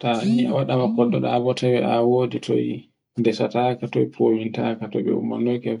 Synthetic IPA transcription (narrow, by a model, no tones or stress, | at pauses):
tahia̰waɗamakɔɗːɔɗabɔtawɛʔawoːditʰɔ̰i | dɛsatakatɔjpʰowintakatɔɓɛ̰ṵma̰nɔjkɛ